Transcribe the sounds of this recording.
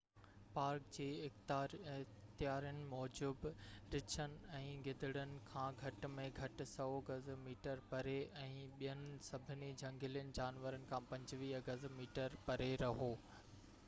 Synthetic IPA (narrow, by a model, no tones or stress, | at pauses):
paːɾkd͡ʑeːɪxt̪ːɾ | t̪ɪjaːɾijənɪ̆mɔːd͡ʑubɾɪt͡ɕʰənɪ̆ɛ̃ːɡɪd̪ʱɪɽənɪ̆kʰãːɡʱɐʈ̆mẽɡʱɐʈɪ̆sɐoɡɐzmiːʈəɾpɐɾeɛ̃ːɓijənɪ̆sɐbʱɪnid͡ʑɐ̃ŋɡɪlijənɪ̆d͡ʑaːnʋəɾənɪ̆kʰãːpɐ̃ɲd͡ʑʋiːɡɐzmiːʈəɾpɐɾeɾɐɦoː